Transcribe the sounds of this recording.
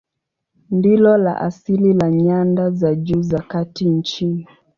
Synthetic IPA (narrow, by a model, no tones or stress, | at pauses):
ndilɔla̰ʔa̰sililaɲandazad͡ʒuːzakatin̩t͡ʃini